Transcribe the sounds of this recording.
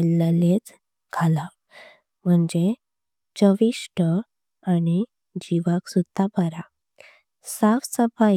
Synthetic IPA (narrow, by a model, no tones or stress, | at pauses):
lːəlet͡s | ɡʱala | m̤əɳd͡ʑe | t͡ɕəʋiʂʈə | añi | d͡ʑiʋaksud̪ʱːabəɾa | saʋsəba